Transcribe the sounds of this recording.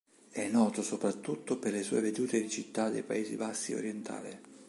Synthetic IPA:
ɛnːɔːt̪osopɾat̪ːut̪ːoperlesuːeved̪uːt̪ed̪it͡ʃit̪ːad̪ḛjpaeːzḭbasːio̰ɾjɛnt̪ʰa̰ːlɪ

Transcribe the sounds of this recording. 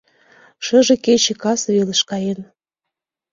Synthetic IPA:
ʃəʒĕket͡ɕekɑsβeləʃkɑjen

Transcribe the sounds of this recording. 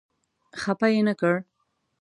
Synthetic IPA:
xapajenakəɽ

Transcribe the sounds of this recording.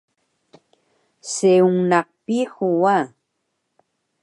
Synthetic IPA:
seuŋnɑq̚pihuwa

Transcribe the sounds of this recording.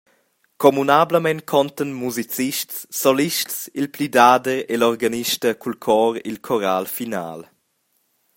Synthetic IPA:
kɔmunabləmɛnkʰɔnt̪ənmuzit͡siʃtsːɔliʃtsilplidaːdəɾelɔʁɡaniʃtəkulkʰɔːɾḭlkʰɔɾalfina̰ːl

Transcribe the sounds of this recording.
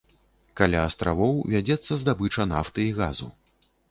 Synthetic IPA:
kalʲaːst̪ɾavɔwvʲad͡zʲɛt̪sːɐzd̪abɨt͡ʂɐnaft̪ɨiɣazṵ

